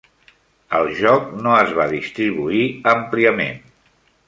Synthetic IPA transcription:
əlˠʒɔk̚noəzβaðist̪ɾiβ̞uiəmpliəmḛn

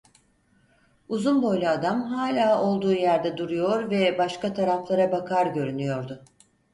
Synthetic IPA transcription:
uzunbo̞jlʲˠaːd̪amɦaːlʲaːo̞lˠd̪uːjæɾd̪ɛd̪uɾujo̞ɾvɛbaʃkat̪ʰaɾaflˠaɾabakʰaɾɟø̞ɾynyjo̞ɾd̪ʊ

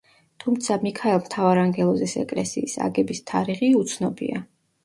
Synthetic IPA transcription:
t̪ʰumt̪sʰamikʰaɛlˠmt̪ʰavaɾaŋɡɛlˠɔzɛsɛ̰kʼlɛsiːsa̰ɡɛbist̪ʰaɾiʁiut̪sʰnɔbḭa

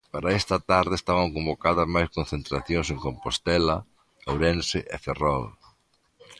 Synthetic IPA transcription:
paɾɐɛst̪ɐt̪aɾðɪest̪aβɐŋkõmbokaðɐzmajskõnθent̪ɾaθjõŋseŋkompost̪ɛlɐ | awɾɛnsɪʔeferɔl

